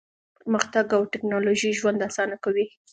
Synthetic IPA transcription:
pəɾməxt̪aɡawʈɪknɑloʒiʒwand̪asɑnakawi

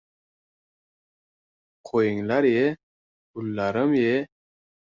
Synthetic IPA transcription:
qʰojiŋlaɾje | bulːaɾəmje

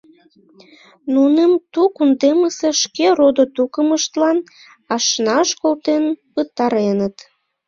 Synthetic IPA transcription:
nunemt̪ukund̪eməseʃkerod̪ot̪ukəməʃt̪lɑn | ɑʃnɑʃkolt̪enpət̪ɑɾenət̪

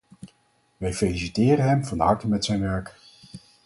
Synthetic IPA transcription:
ʋɛjfelisitɪːɾəɦɛmvɑndɦɑɹtəmɛtsɛjnʋɛɹk

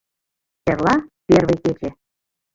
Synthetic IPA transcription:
erlˠɑpʲerβejket͡ɕe

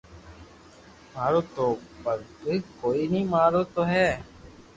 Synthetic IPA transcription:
maːɾoːt̪oːbəlkoiːkoːiːnĩːmaːɾoːt̪oːɦɛː

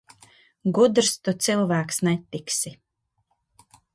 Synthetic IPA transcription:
ɡud̪ɾst̪ut̪silˠvæːksnɛt̪ːiksi

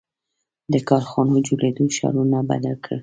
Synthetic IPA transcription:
d̪əkɑɾxɑnod͡ʒoled̪oʃɑ̰ɾunaba̰d̪alkʰə

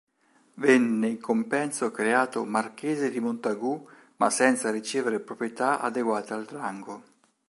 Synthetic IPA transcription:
vɛnːɪiŋkompɛnsokɾeaːt̪omarkeːzɪd̪imont̪aɡu | ma̰sɛnt̪saɾit͡ʃeːveɾɪpɾopɾjet̪aʔa̰d̪eɡwaːt̪aaldraŋɡo

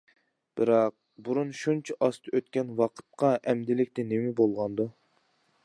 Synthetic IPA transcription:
b̥ɪɾɑq̚buɾunʃunt͡ʃʰiʔɑst̪ʰɨøt̪̚kʲɛnwɑqʰə̥t̪̚qɑʔɛmd̪ɪlɪkʲt̪ɪnemɪbolˠʁɑnd̪u

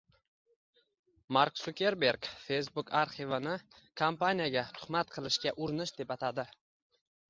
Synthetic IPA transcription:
maɾksʊkʲeɾbe̞ɾkfe̞jsbʊkaɾχivanɪ | kʰampanijaɡʲat̪ʰʊ̥χmat̪̚qʰɨlˠɪʃkʲaʔʊɾɪnɪʃd̪e̞pat̪ʰad̪ɪ

